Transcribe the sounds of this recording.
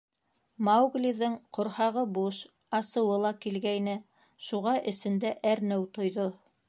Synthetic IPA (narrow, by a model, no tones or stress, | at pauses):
mawɡlʲiðɤɴqŏɾhɑʁɤbuʃ | ɑsɤ̆wɤlˠɑkilɡæjnɘ | ʃuʁɑʔɘ̆sɘ̆nd̪æʔæɾnɘwt̪ŏjðo